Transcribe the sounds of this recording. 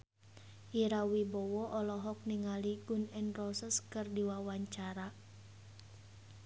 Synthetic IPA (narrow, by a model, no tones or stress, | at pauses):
ʔiɾawibɔwɔʔɔlɔɦɔk̚niŋaliɡunɛnrɔsəskərdiwawaɲt͡ʃaɾa